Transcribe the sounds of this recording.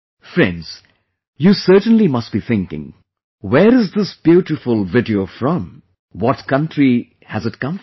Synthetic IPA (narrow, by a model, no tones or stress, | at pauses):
fɾɛ̃nɖz̥ | juːsɜːʈə̃nlimʌst̚b̥iθʰɪ̃ŋkɪ̰̃ŋ | weɾɨzd̪ɪsb̥juʈɨfʊlˠvɪɖiofɹɔ̃m | wɔtkʌ̃ntʰɾi | hæzɨtkʌ̃m